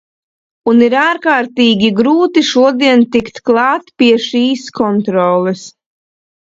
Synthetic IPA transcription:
uniɾaːɾkaːɾt̪iːɡʲiɡɾuːt̪iʃuɔd̪iɛnt̪ikt̪klˠɑːt̪piɛʃiːskɔnt̪ɾɔːlˠɛs

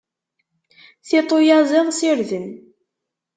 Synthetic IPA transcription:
θit̪ˤojɑzˤɪðˤsiɾðən

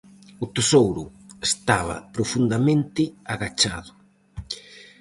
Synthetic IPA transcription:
ʊt̪esowɾʊ | est̪aβɐ̰pɾofund̪amẽnt̪ɪaɣat͡ʃaðʊ

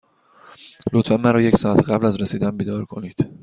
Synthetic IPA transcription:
lot̪fænmæɾɒːje̞csɒːæt̪ʰɢæblæzɾesiːd̪ænbiːd̪ɒːɾkʰo̞niːd̪̥

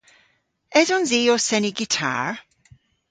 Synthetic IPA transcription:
ɛzɔnziɔsɛniɡitʰa̰ɹ

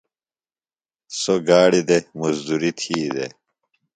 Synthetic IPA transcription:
soɡaːɽid̪emuzd̪uɾit̪ʰiːd̪e

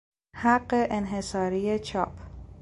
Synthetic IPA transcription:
hæɢːeʔenɦe̞sɒːɾijet͡ʃʰɒːpʰ

